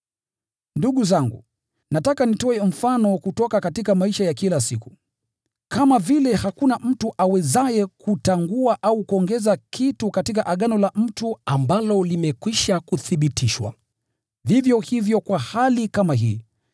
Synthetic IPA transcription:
nduɠuzaŋɡṵ | natakanitɔɛm̩fanɔkutɔkakatikamaiʃajakilasiku | kamavilɛhakunam̩tuʔawɛzajɛkʰutaŋɡuaʔaukuɔŋɡɛzakʰitukatikaʔaɠanɔlam̩tuambalɔlimɛkwiʃakuθiɓitʰiʃwa̰ | vivjɔhivjɔkwahalikamaɦḭː

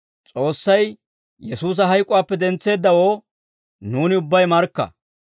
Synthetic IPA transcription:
t͡sʼo̞ːsːɐj | jɛsuːs̬ɐɦɐjkʼʊwaːpːɛd̪ɛnt͡sːe̞ːd̪ːɐwo̞ː | nuːnɪʊbːɐjmɐɾkːɐ̰

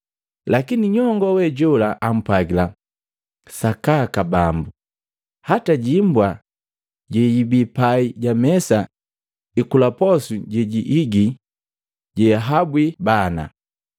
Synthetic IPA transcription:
lakiniɲɔŋɡɔwɛɟɔlaʔam̩pwaɡila | sakakabambu | hataɟimbwa | ɟɛjibipaiɟamɛsa | ikulapɔsuɟɛɟiʔiɡi | ɟɛɦabwibana̰

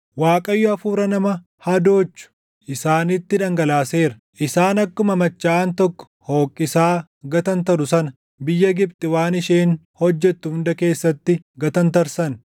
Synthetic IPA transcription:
waːkʼɐjːʊɐfuːɾɐnɐmɐ | hɐd̪o̞ːt͡ʃːʊ̥ | ʔɪsaːnɪt̪ːɪᶑɐŋɡɐlaːseːɾɐʔɪsaːnɐkːʊmɐmɐt͡ʃːaːnt̪ɔkːɔ̥hoːkʼːɪsaː | ɡɐt̪ɐnt̪ɐɾʊsɐnɐ | bɪjːɐɡɪbt̪ʼɪwaːnɪʃeːn | hɔd͡ʒːɛt̪ːʊhʊnd̪ɐke̞ːsːɐt̪ːɪɡɐt̪ɐnt̪ɐɾsɐn

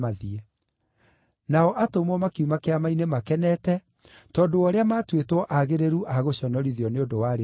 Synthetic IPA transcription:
aðiɛ | naɔʔatomɔmakiumakeamainemakɛnɛtɛ | tɔːndoɔɾeamatwetwɔʔaɣeɾeɾuʔaɣoɕɔnɔɾiðiɔneondowaɾe

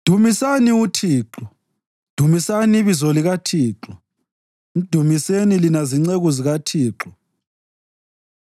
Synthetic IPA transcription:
d̥ʱumisaniutʰiːǁɔ | d̥ʱumisaniβizoliɣatʰiːǁɔ | d̥ʱumisenilinaziŋ͡ǀeɣuziɣatʰiːǁɔ

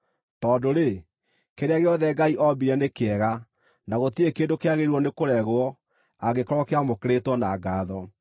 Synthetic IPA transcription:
tɔːndoɾe | keɾeaɣeɔðɛɡaiʔɔbiɾɛnekeɛɣa | naɣot̪iekeːndokeaɣeɾwɔnekoɾɛɣwɔ | aɣekɔɾɔkeamokeɾetwɔnaɡaðɔ

